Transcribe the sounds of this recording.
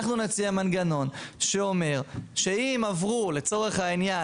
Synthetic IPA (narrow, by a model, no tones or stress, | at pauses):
χnunat͡siamanɡano̞nʃeome̞ʁʃe̞imavʁule̞t͡so̞ʁe̞χhainja